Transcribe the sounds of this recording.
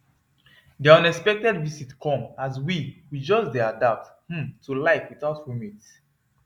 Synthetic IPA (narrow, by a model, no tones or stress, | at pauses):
diɔ̃nɛkspɛk̚tɛdvisitkʰɔ̃mazwiwid͡ʒɔsdeadap̚t | h̩mtʰulaɪkwiθaʊtwumit